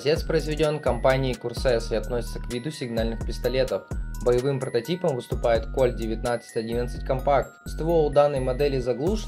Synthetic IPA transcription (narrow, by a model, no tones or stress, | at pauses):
zʲe̞t̪spɾəɪzvʲɪdʲo̞nkɐmpanʲɪːkʊrsɛsɨɐt̪nosʲɪ̥t̪səkvʲid̪ʊsʲɪɡnalʲnɨxpʲɪst̪ɐlʲe̞t̪əfbəjɪvɨmpɾət̪ɐtʲipəmvɨst̪ʊpajɪt̪ko̞lʲdʲɪvʲɪt̪nat̪sɨ̥tʲɐdʲinət̪sɨtʲkɐmpakt̪st̪volˠd̪anːəjmɐd̪ɛlʲɪzɐɡlˠuʂ